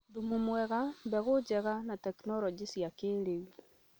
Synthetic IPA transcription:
ðumumwɛɣambɛɣod͡ʒɛɣanatɛknɔɾɔd͡ʒisjakeːɾeu

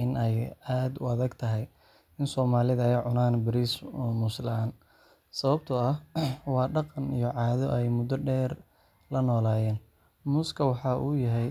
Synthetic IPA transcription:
ʔɪnɛjaːd̪ʊ̰ɐðɐɡt̪ʰɐɦɛj | ɪnsɔːmaːlɪðɐɛʕʊnaːnbɪɾiːsmʊslaːn | sɐβɐbt̪ʰɐɐhwɑːɖɑqɑnijɔʕɑːðɔʔɛjmʊd̪ɔɖɛːr | lɐnɔːlaːjɛːn | mʊskʰɐwɑħɑːʔuːjɐɦɛj

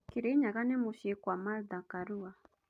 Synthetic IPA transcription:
kiɾeɲaɣanɛmuʃikwamald̪akaɾua

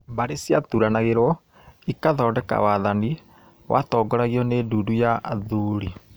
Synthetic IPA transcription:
baɾesjatuɾanaɣeɾɔ | ikaðɔːdɛka̰waðani | wa̰tɔːɡɔɾaɣiɔneduːdujaʔaðuɾi

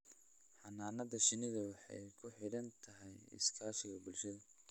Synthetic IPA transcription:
ħɑnaːnɐðɐʃɪnɪðɐwɑħɑ̰jkʰʊħɪɽɐnt̪ʰɐɦɛjɪ̰skʰaːʃɪɣɐbʊlʃɐðɐ

